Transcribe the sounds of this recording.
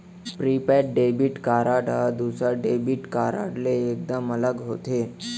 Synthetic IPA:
pɾipɛʈ̚ɖebiʈkaɾaʈɦad̪usaɖebiʈkaɾa̰ɽleːk̚d̪əmələɡɦot̪e

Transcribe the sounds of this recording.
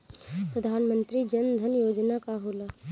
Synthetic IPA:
pɾəd̪ʱaːnmə̃nt̪ɾid͡ʒɐnd̪ʱənjoːd͡ʒnakaɦoːla

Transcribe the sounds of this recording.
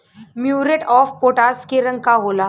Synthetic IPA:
mjuːɾeʈɔːfpoːʈaːskeɾə̃ŋɡkaɦolaː

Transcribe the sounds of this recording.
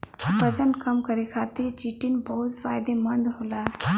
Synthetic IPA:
bɐd͡ʒənkəmkəɾekʰaːt̪iɾt͡ʃiʈinbɔɦʊt̪faːjd̪emɐnd̪ɦoːla

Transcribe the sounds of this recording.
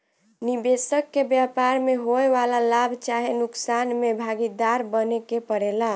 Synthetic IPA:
nibesəkːebjapaɾmeɦoeʋalalabʱt͡ʃaɦenuksanmebʱaɡid̪aɾbənekepəɽela

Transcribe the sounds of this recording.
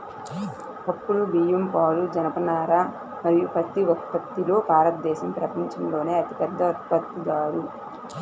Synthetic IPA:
ɐpːuɽubijempaːlud͡ʒɐnɐpɐnaːɾa | mɐɾijupɾɐt̪ːiɔpːɐt̪ːilo̞ːbʱaːɾɐt̪̚d̪ɛːʃɐmpɾɐpɐɲt͡ʃɐmlo̞ːne̞ːɐt̪ipɛd̪ʱːɐɐt̪pɐt̪ːuɡ̪aːɾu

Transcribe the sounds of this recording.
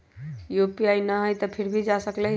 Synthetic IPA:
jopiajnəɦəjt̪əpʰiɾbʱid͡ʒasəkləj

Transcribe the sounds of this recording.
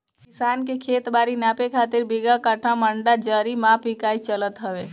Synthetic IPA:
kɪsaːnkekʰeːt̪baːɾinaːpekʰaːt̪ɪɾbiɡakəʈʰaməɳɖad͡ʒəːɾimãːpikaːit͡ʃələt̪ɦəʋe

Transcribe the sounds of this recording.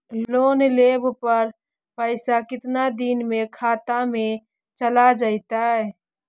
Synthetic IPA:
loːnlebpəɾ | pəɪsakɪt̪nad̪inmekʰaːt̪amẽ | t͡ʃəlad͡ʒaɪt̪aɛ

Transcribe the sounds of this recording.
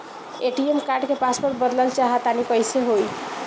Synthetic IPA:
eʈiemkaɾɖkepaspoɾt̪̚bəd̪ləlt͡ʃaɦət̪anikəjseɦoj

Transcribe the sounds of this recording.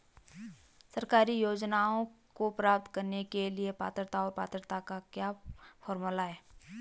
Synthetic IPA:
sɐɾkaːɾijoːd͡ʒnaõkopɾaːp̚t̪kɐɾnekeliepa̰ːt̪ɾt̪aɔːɾpa̰ːt̪ɾt̪akakjaːfʰɔːɾmulaɦɛː

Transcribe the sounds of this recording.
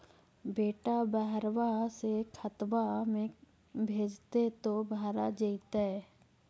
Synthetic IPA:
beːʈabəɦɾʋasekʰət̪ʋamẽ | bʱeːd͡ʒt̪et̪obaːɾad͡ʒəit̪aɦɛː

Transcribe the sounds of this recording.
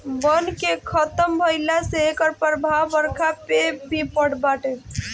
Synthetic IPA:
bənkekʰət̪əmbʱəjlaseekəɾpəɾbʱawːəɾkʰapebʱipəɽbaʈe

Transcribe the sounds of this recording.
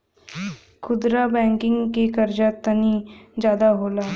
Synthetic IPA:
kʰʊd̪ɾabɛ̃ːŋkɪ̃ŋɡkekɐɾd͡ʒat̪ɐnid͡ʒjaːd̪aɦoːlaː

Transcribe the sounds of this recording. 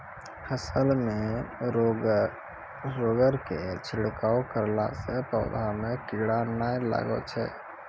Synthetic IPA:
hʰəsəlme | ɾoɡəɾket͡ʃʰɪɽkawkəɾla̰sẽpəʊd̪ʱamekiɽanajla̰ɡə̰t͡ʃʰɛ̰

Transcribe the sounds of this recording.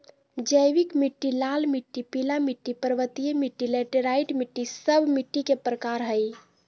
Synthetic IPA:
d͡ʒəjʋikmiʈːilalmiʈːipilamiʈːipəɾʋət̪ijmiʈːilɛʈeɾaiʈmiʈːisəbʱmiʈːikepɾəkaɾɦəj

